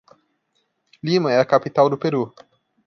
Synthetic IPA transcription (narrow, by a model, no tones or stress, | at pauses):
limɐ̃ɛɐkapit̪awd̪ʊpeɾu